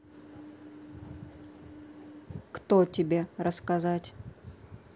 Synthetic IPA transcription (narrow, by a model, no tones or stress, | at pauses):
kt̪otʲɪbʲe̞ɾəskɐzatʲ